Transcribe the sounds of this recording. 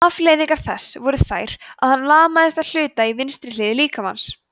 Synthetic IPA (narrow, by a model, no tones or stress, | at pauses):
aflɛːjðiŋkaɾ̥θɛsːvɔɾʏθa̰ːjɾ̥aðhanːlaːmaðɪst̪aðl̥ʏːt̪aivɪnst̪ɾɪlɪːðɪliːkama̰ns